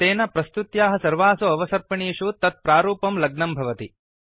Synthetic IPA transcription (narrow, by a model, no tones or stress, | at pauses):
t̪eːnɐpɾɐst̪ut̪jaːɦɐsɐɾʋaːsuɐʋɐsɐɾpɐɳiːʂut̪ɐt̪̚pɾaːɾuːpɐmlɐɡ̚nɐmbʱɐʋɐt̪i